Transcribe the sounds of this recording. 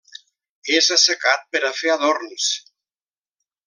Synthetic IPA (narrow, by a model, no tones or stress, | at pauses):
ezasakat̪̚peɾafeaðoɾns